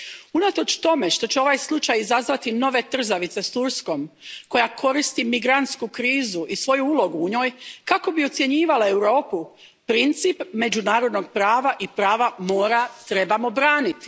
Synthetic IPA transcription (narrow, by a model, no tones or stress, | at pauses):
unat̪o̞t͡ʃt̪o̞me̞ʃt̪o̞t͡ɕeo̞ʋaːjslˠut͡ʃajizazʋat̪ino̞ʋe̞t̪r̩zaʋit̪se̞st̪uɾsko̞mko̞jakʰo̞ɾist̪imiɡɾant̪skukɾiːzuʔisʋo̞juulo̞ɡuuɲo̞ːjkako̞bio̞t̪sjeɲiːʋalae̞wɾo̞ːpu | pɾint̪sipme̞d͡ʒunaːɾo̞d̪no̞ɡ̚pɾaːʋaʔipɾaːʋamo̞ːɾat̪ɾe̞bamo̞bɾaːnit̪i̥